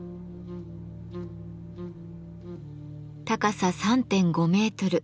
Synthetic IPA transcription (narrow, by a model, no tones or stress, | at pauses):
t̪akasasãnt̪ẽ̞ŋɡo̞me̞ːt̪o̞ɾɯ̟